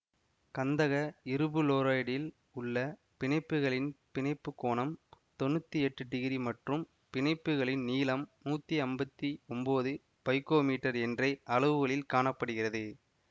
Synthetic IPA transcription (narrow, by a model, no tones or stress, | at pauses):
kɐnd̪ɐɣɐɪɾɯbɯloːɾaːjɽɪl | ʊɭːɐ | pɪnɐɪpːɯɣɐɭɪnpɪnɐɪpːɯkːoːɳɐmt̪ɔnːɯt̪ːɯɛʈːɯʈːɪɣɪɾimɐʈrɯm | pɪnɐɪpːɯɣɐɭɪnniːlɐmːuːt̪ːiɐmbɐt̪ːiɔmboːðɯ | pɐɪkoːmiːʈːɐɾɛndrɐɪʔɐlɯʋɯɣɐɭɪlkaːɳɐpːɐɽɯɣɪrɐðɯ